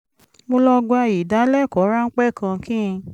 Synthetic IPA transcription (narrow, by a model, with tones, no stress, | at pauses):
mo˧lɔ˧ɡɡ͡ba˧ji˨da˨˦lɛ˦˨kɔ˨˦ɾa˦ŋ̩˦k͡pɛ˦˨kã˧kĩ˦˧